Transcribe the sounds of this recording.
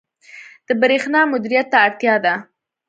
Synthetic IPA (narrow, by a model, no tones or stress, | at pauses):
d̪̥əbɾexnɑmʊd̪iɾijat̪ːaːɽt̪jɑd̪a